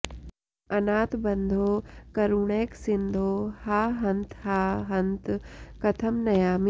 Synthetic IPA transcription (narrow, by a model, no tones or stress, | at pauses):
ɐnaːt̪bɐ̃nd̪ʱoːkɐɾuɳ̃eːksɪnd̪ʱoːhaːɦɐ̃nt̪ʰhaːɦɐ̃nt̪kɐt̪ʰəmnɐjaːm